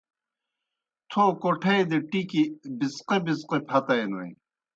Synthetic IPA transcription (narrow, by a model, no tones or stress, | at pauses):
t̪ʰoːkoʈʰejd̪eʈikibisqebisqepʰɐt̪ɐjno̰i